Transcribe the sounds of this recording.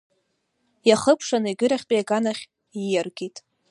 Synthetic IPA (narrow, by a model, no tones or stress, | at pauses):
jaχəpʰʂanɨiɡʲɨɾaχʲt͡pʼijaɡanaχʲ | ijarɡʲitʼ